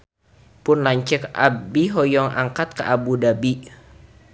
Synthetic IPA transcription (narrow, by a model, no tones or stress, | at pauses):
pʊnlaɲt͡ʃɛkʔa̰biɦɔjɔŋa̰ŋkat̪̚kaʔabudabi